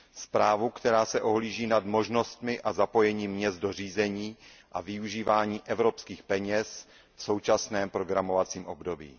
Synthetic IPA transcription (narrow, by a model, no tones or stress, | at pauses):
spɾaːvukt̪ɛɾaːsɛʔoɦliːʒiːnadmo̞ʒno̞st̪mɪʔazapo̞jɛɲimːɲɛzdo̞r̝iːzɛɲiːʔa̰vɪuʒiːvaːɲiːʔɛvɾopskiːxpɛɲɛs | fso̞wt͡ʃasnɛːmpɾo̞ɡɾamo̞vat͡siːmʔobdo̞bḭː